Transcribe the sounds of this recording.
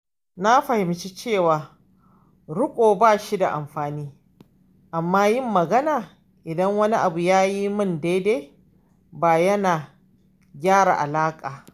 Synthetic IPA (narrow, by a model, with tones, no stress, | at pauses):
na˦ɸɐ˨hɪ˨mt͡ʃi˦t͡ʃeː˦˨waː˨ | ɽʊ˦kʷʼoː˨baː˦˨ʃi˦da˨ʔa˨mɸaː˨niː˦ | ʔa˨mːaː˦jɪ˦˨mːɐ˨ɡɐ˦naː˨ | ʔɪ˨dɐ˦ŋwɐ˦ni˦ʔa˨bu˨jaː˦ji˦mʊ˦nde˦de˦ | baː˨jɐ˦naː˨ | ɡʲaː˦ɽa̰˨ʔa˨laː˦kʼaː˨